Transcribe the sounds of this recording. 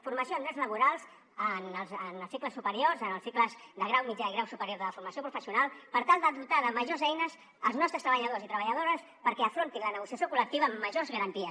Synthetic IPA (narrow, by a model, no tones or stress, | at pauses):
fuɾməsioənd̪ɾɛzləβuɾalˠz | ənəlˠzənəlˠsikləsupəɾiorzənəlˠsikləzðəɣɾawmid͡ʒaiɣɾawsupəɾjoɾðələfuɾməsiopɾufəsiunalˠpəɾt̪alˠd̪əðut̪aðəməʒozɛjnəs | əlˠznɔst̪ɾəst̪ɾəβəʎəðozit̪ɾəβəʎəðoɾəs | pəɾkɛəfɾont̪inlənəɣusiɐsjokulək̚t̪iβəːmːəʒozɣəɾənt̪iəs